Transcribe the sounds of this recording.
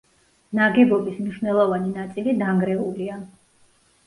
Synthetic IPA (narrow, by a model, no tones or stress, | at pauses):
naɡɛbɔbismniʃnɛlˠɔvaninat̪sʼilid̪aŋɡɾɛulia